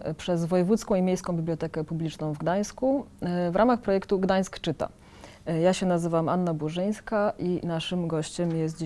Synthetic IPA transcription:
pʂɛzvɔjɛvut̪skɔ̃w̃imʲejskɔ̃w̃bʲiblʲɔt̪ɛkɛpublʲit͡ʂnɔ̃w̃vɡd̪aj̃skuvɾʔamaxpɾɔjɛkt̪uɡd̪aj̃skt͡ʂɘt̪a̰ | jaɕɛnazɘvamanːabuʐɘj̃skaʔinaʂɘmɡɔɕt͡ɕɛmjɛs̬t̪̚d͡ʑ

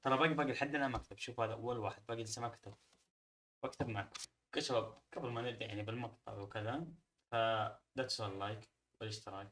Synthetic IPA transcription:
t̪ˤɑlˤɑbaːɡbaːɡɪlħad̪ːɪnamakt̪ʰabʃuːfhaːðaʔawːalwaːħɪd̪̚baːɡɪlsamakt̪ʰab̚ | wakt̪abmaʕak | kaʃwabɡ̥abɾmanɪɾd̪ijaʕnibɪlmɑqt̪ˤɑ̰ʕwkɪða | fad̪at̪sallajk | wɪlɪʃt̪ɑɾˤɑːɡ

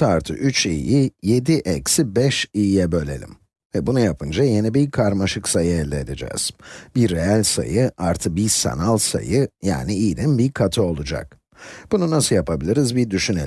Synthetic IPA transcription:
t̪aɾt̪ʰɯ̰ʔyt͡ʃḭjije̞d̪iʔɛcsibɛʃijɛbø̞lʲe̞̰lʲḭm | vɛbunujapʰɯnd͡ʒaje̞nibiɾkʰaɾmaʃɯksajɯɛlʲːɛːd̪ed͡ʒɛ̰ːz̥biɾeælʲsa̰jɯʔaɾt̪ʰɯk̚bisa̰nalˠsa̰jɯja̰ːniiːlʲinbiɾkʰat̪ʰɯo̞lˠud͡ʒa̰k̚ | b̥ununasɯjapʰabilʲiɾizbiɾd̪yʃynelʲ

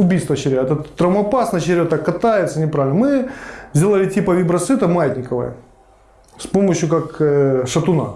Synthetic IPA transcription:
ʊbʲijst̪vət͡ɕɪɾʲaɛt̪ət̪ːɾɐvmɐpasnɐɕɪɾʲat̪akːɐt̪ajɪt̪sənʲɪpɾavʲɪlʲnəmɨzʲdʲelˠəlʲɪtʲipəvʲibɾɐsɨt̪əmajɪt̪ʲnʲɪkəvə̰jə̰ | spomːəɕjʊkakʂɐt̪ʊna̰

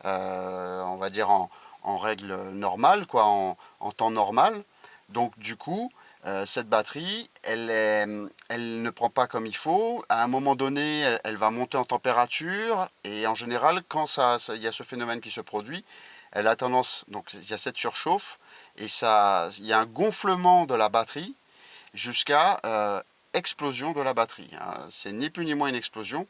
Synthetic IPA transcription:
ø | ɔ̃vad̪iʁɑ̃ɑ̰̃ʁɛɡlønɔʁmalkwaɑ̃ɑ̰̃t̪ɑ̃nɔʁmal | d̪ɔ̃kd̪ykʰu | øsɛt̪̚bat̪χiɛlɛmɛlnəpχɑ̃pakɔmilfoaɛ̃mɔmɑ̃d̪ɔneɛɛlvamɔ̃t̪eɑ̃t̪ɑ̃peʁat̪yʁeɑ̃ʒeneʁalkɑ̃sasiljasəfenɔmɛnkʲisəpχɔd̪ɥiɛ̰lat̪ɑ̃d̪ɑ̃sd̪ɔ̃kiljasɛt̪syʁʃofesailjaɛ̃ɡɔ̃fləmɑ̃d̪əlabat̪χi | ʒyskaø | ɛksplozjɔ̃d̪əlabat̪χḭɛ̰̃sɛniplynimwɛ̃ynɛksplozjɔ̃

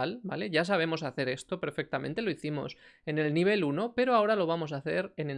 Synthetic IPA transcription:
alba̰le̞ʝas̬aβ̞e̞mo̞saθe̞ɾe̞st̪o̞pe̞ɾfek̚t̪am̃nt̪e̞lo̞iθimo̞̰se̞ne̞lniβ̞e̞luno̞pe̞ɾoao̞ɾalo̞β̞amo̞saθe̞ɾe̞ne

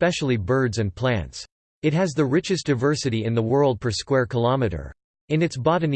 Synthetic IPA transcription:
pɛʃl̩ˠibɜ˞dzɨ̃npʰl̥æ̰̃nts | ɨt̚ɦɨzðɨɹɪt͡ʃɨstd̥aɪvɜ˞sɨɾiɨ̃nðəwɜ˞lˠd̚pʰə˞skwɛɹkʰəlɑmɨɾə̰˞ | ɨ̃nɨtsbɑɾɨn̩

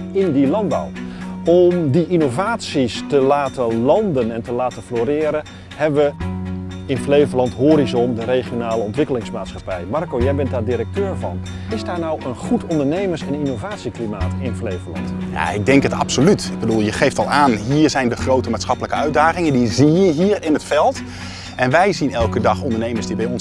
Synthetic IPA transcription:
ɪndilɑndbɔ̰wɔmdiʔinovaːtsistəlaːtəlɑndənɛntəlaːtəfloɾɪːɾə | hɛbʋə | ɪnflejvəɹlɑntɦoːɾizɔndəɾejχijonaːləɔntʋɪkəlɪŋsmaːtsχɑpɛjmɑrkowjɛjbɛntaːdiɾək̚tøːɹvɑ̰n | ɪzdaːɹnawənχutɔndəɹnejməɹsɛninowvaːtsiklimaːtɪnflejvəlɑ̰ntja̰ɪɡ̚dɛŋkətɑ̰psolytɪɡ̚bədulˠjəχejftɑlˠaːnɦiːɹzɛjndəχrowtəmaːtsχɑpələkəœɥdaːχɪŋəndizijəɦiːrɪnətfɛlˠt | ʔɛnʋɛjzinɛlˠkədɑχɔndəɹnejməɹzdibɛjɔn

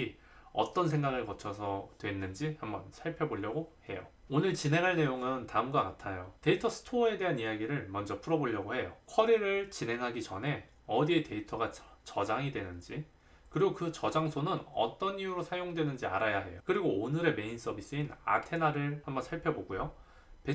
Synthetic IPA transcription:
i | ʌ̰t͈ʌns̬ʰeŋɡaɡɯɭkʌt͡ɕʰʌsʰʌdwe̞nːɯnd͡ʑihambʌ̰nsʰaɭpʰjʌboʎːʌɡohe̞jo̰onɯɭt͡ɕine̞ŋɦaɭne̞joŋɯntaɯmɡwakatʰajote̞itʰʌsʰɯ̥tʰoe̞de̞ɦanijaɡiɾɯɭmʌnd͡ʑʌpʰuɾʌboʎːʌɡohe̞jokʰʌɾiɾɯɭt͡ɕine̞ŋɦaɡit͡ɕʌnɦe̞ | ʌdie̞te̞itʰʌɡat͡ɕʌd͡ʑaŋidwe̞nɯnd͡ʑi | kɯɾiɡokɯt͡ɕʌd͡ʑaŋsʰonɯnʌ̰t͈ʌnijuɾosʰajoŋdwe̞nɯnd͡ʑia̰ɾajaɦe̞̰jokɯɾiɡoːnɯɾe̞me̞ins͈ʌbis͈ɯina̰tʰe̞naɾɯɭhambʌnsʰaɭpʰjʌboɡujo | pe

